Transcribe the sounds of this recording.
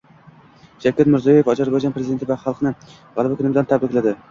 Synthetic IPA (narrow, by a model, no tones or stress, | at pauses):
d͡ʒakʲʰːat̪mɪɾzɒjojefɒd͡ʒaɾbɒjd͡ʒɑnpʰɾezid̪et̪ɪvaχɑlˠqnɪ | ʁɑlˠɪbakʰʊnɪmɪd̪ant̪ʰabɾɪkʲlad̪ɪ